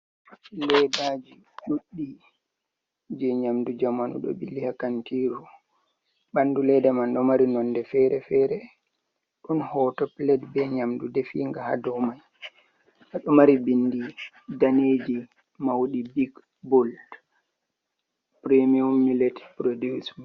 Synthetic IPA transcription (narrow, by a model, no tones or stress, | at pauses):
lɛdad͡ʒiɗuɗːi | d͡ʒɛɲamdud͡ʒamanṵɗɔ̰bilihakantiɾu | ɓandulɛdɛmanɗɔmaɾinɔndɛfɛɾɛfɛɾɛ | ɗɔnhɔːtɔplɛdbɛɲamdudɛfḭːŋɡaha̰dɔmaj | ʔaɗɔmaɾibindi | daned͡ʒi | mawɗibiɡ | bɔld | pɾemiumːilɛtpɾodism